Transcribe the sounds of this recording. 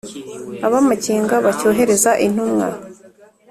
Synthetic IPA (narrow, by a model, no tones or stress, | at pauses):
aβamaciːŋɡaβacoːɦe̞ɾe̞zaʔin̥humŋa̰